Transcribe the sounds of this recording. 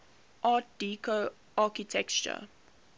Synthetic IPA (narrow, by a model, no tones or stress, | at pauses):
ʔɑːt̚d̥iːkʰo | ʔɑːkitʰɛkt͡ʃə̰